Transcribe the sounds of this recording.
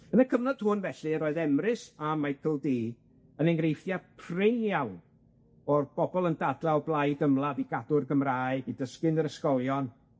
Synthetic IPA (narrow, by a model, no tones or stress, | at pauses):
ənəkʰəvnɔd̥hʊnvɛɬɨɾoːɨðɛmrɨsamajkʰəlˠdiː | ənɛŋɡrejfjapʰrɪnjawn | ɔrb̥ɔbɔlˠəndadlaɔblˠajdəmlˠaviɡadʊrɡəmraːɨidəskɪnəɾəskɔlˠjɔn